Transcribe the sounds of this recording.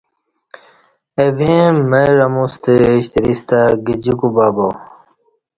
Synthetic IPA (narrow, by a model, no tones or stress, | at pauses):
ebĩmeɾɐmust̪eːɕt̪iɾist̪aɡid͡ʑikubaːbo